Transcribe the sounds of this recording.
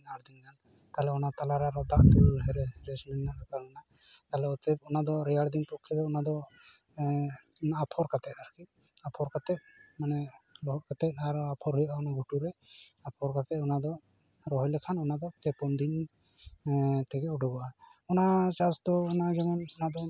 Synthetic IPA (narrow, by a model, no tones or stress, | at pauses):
naɽd̪inkan | t̪aɦlɛɔnat̪alaɾaɾɔd̪aʔt̪ulɦɛɾɦɾɛsminaɔk̪alna | t̪alɛɔt̪ɛp̚ɔnad̪ɔɾɛjaɽd̪inpɔkʰːid̪ɔɔnad̪ɔ | naːpʰɔɾkat̪ɛt̪̚aɾki | apʰɔɾkat̪ɛt̪̚manɛlɔɦɔʔkat̪ɛt̪̚aɾapʰɔɾɦujaɔnaɡʱuʈuɾɛapʰɔɾkat̪ɛtɔnad̪ɔ | ɾɔɦɔjlɛkʰanɔnad̪ɔpɛpɔmd̪in | t̪ɛkɛuɖɔɡɔaɔnat͡ʃast̪ɔːnad͡ʒɛmɔnɔnad̪ɔ